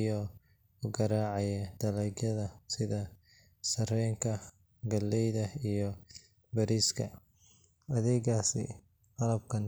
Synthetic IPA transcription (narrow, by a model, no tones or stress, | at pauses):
jɔ | ʊɡɐɾaːʕɑjɐd̪ɐlɛɡɐðɐsɪðɐ | sɐrɛjŋkʰɐ | ɡɐlːɛjðɐijɞ | bɐɾiːskʰɐ̰ | ɐðɛːɣaːsɪ̰ | qɑlɐb̚kʰɐn